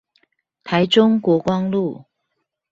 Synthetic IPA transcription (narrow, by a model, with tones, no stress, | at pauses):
t̪ʰa˨˦ɪʈ͡ʂʊ˥ŋkwɔ˧˥kwɑ˥ŋlu˥˩